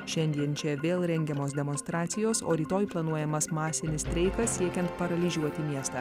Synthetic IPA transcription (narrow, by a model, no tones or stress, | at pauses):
ʃʲɛnʲd̪ʲiɛnt͡ʃʲɛʋʲeːlˠɾʲɛŋʲɡʲɛmoːsd̪ʲɛmɔnst̪ɾɑːt̪sʲɪjoːso̰ːɾʲiːt̪oːjplˠɐnuɔjɛmɐsmɑːsʲɪnʲɪst̪ʲɾʲɛɪkɐssʲiɛkʲɛnt̪pɐɾɐlʲɪʒʲuɔt̪ʲɪmʲiɛst̪ɑ̰ː